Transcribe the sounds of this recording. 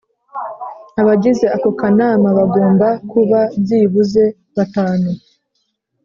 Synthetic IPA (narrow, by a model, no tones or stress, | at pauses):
aβaɟize̞ako̞kanamaβaɡo̞ːmbakuβaziːβuze̞ | βataːnu